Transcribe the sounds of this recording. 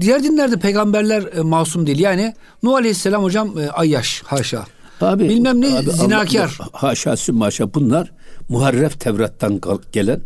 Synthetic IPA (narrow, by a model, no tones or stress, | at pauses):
d̪ijæɾd̪inlʲæɾd̪ɛpʰejɡambæɾlʲæɾmaːsumd̪ejilʲjaːni | nuːalʲehisːelʲamho̞d͡ʒamʔajːaʃhaʃa̰ː | abibilʲmæmnizinaːcʰaɾhaːʃa̰ːsymaʃabunlˠaɾ | muɦaɾːɛft̪ʰɛvɾat̪ʰːanɟ̥elʲæn